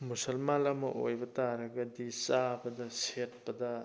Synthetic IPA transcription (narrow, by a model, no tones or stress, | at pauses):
musɐlmalɐmɐ̰ʔojbɐtaɾɐɡɐdisabɐdɐset̚pɐdɐ